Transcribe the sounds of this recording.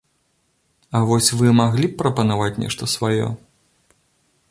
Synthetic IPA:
ɐvɔsʲvɨmaɣlʲipːɾɐpɐnavat͡sʲnʲɛ̰ʂt̪ɐsvajɔ̰

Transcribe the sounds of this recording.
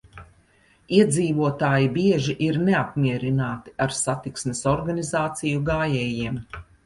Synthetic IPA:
iɛd̪ziːvuɔt̪aːjibiɛʒiʔiɾneap̚mʲiɛɾinaːt̪i̥aɾsat̪iksmesɔɾɡanizaːt̪sijuɡaːjɛjiɛm

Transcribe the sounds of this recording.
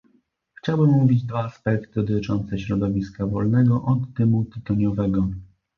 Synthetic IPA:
xt͡ɕawbɘmːuvʲid͡ʑd̪vaːspɛk̚t̪ɘd̪ɔt̪ɘt͡ʂɔnt̪sɛɕɾɔd̪ɔvʲiskavɔlnɛɡɔʔɔd̪ːɘmut̪ɘt̪ɔɲɔvɛɡɔ

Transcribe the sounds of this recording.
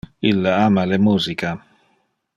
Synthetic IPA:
ilːaamalɛmuːzika

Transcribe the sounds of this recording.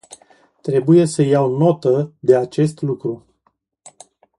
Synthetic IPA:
t̪ɾe̞buje̞səjawno̞t̪əd̪e̞at͡ʃe̞st̪lukɾu

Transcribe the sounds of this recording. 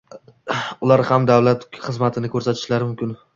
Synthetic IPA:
ʊlaɾhamd̪awlat̪χɨzmat̪ʰɪnɪkʰɵɾsat̪ʰɪ̥ʃlaɾɪmʊmkʲɪn

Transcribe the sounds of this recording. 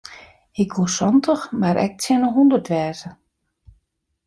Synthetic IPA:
ɪkʋusɔntʰəxmaɾʔɛ̰k̚sjɛnəɦundərtʋɛːzə

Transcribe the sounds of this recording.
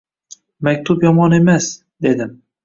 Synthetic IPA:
makʲt̪ʰʊpjɒmɒne̞mas | d̪e̞d̪ɪm

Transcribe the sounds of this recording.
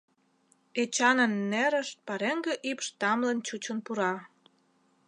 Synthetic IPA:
et͡ɕɑnənːeɾəʃt̪̚pɑɾeŋɡeʔipʃt̪ɑmlənt͡ɕut͡ɕənpuɾɑ

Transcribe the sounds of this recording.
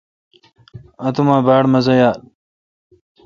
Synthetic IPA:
ɐt̪umãːbaːɽmɐzɐjaː

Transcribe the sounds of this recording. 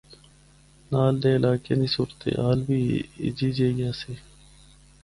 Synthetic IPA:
naːld̪eːɪlaːkḛːnĩːsuːɾət̪ḛːɦaːlbiːɪ̰d͡ʒiːd͡ʒeːjaːseː

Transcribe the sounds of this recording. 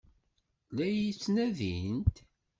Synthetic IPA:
læjit͡sːnæðḭnt̪

